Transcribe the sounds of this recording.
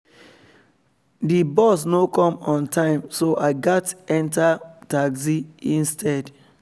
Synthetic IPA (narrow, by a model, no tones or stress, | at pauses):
dibɔs̬nokɔ̃mɔ̃ntʰãɪ̃msoʔaɪɡatɛ̃ntataɡsiĩnstʰɛd